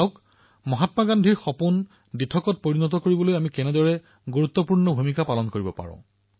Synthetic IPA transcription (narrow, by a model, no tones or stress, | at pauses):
aʊk | mɔɦatmaɡandʱiɹxɔpun | ditʰɔkɔt̚poɹinɔt̬ɔkoɹibɔlojamikɛnɛdɔɹɛ | ɡuɹut̪ːɔpuɹnɔbʱumikapalɔnkoɹibɔpa̰ɹʊ̰̃